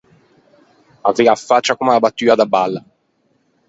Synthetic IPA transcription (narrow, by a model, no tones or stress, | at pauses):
aveːafːat͡ʃːakomaabat̪ːyːad̪abalːa